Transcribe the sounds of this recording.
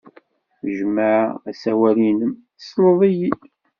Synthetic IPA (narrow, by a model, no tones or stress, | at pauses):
ʒəməʕæsæwælinəm | slˤəðˤiji